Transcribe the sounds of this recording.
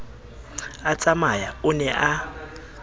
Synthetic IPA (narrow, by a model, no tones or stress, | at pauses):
at͡sʼamajaʊnɛʔa